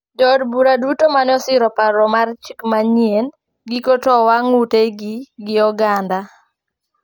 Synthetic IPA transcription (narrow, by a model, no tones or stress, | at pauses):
d͡ʒɔdbuɾadutomanɔsɪɾɔpaɾɔmart͡ʃikmaɲjen | ɡikotɔwaŋuteɡɪɡɪɔɡanda